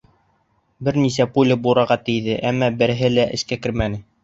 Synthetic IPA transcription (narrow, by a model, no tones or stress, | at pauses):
bɘɾnisæpulʲɘbuɾɑɾʁɑt̪ɘ̆jðɘʔæmːæbɘ̆ɾɘ̆ɦɘlæʔɘ̰̆ʃkækɘ̆ɾmænɘ